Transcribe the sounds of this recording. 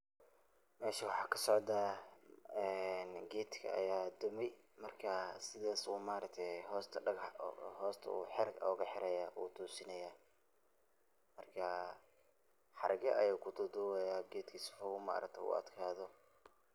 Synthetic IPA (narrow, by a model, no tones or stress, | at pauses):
mɛːʃɐwɑħɑːkʰɐ̥sɔʕd̪aː | ɛnɡɛːd̪kʰɐ̰ɐ̰jaːd̪ʊmɛjmɐrkʰɐsɪðaːsuːmaːɾɐk̚t̪ʰɛɦɔːst̪ʰɐɐɡhɔːst̪ʰɐ̰ṵːħɪɾɡɔ̰ːɣɐħɪɾɛjaːʔṵːt̪ʰuːsɪnɐjaː | mɐrkʰɐ | ħɑɾʔɐɣɐʔɐjɛːkʰʊt̪ʰʊd̪ʊwɛjaːɡɛːd̪kʰiːsfɐɣuːma̰ːɾʔɐ̰kt̪ʰɛʊ̰ɐ̰d̪kʰaːðɔ